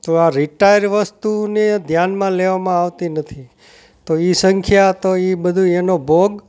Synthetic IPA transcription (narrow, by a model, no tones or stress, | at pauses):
t̪oaɾiʈajɾʋəst̪uned̪ʱjanmãleʋamãaʋt̪inət̪ʰi | t̪oisəŋkʰjat̪oibəd̪ʱũenobʱoɡ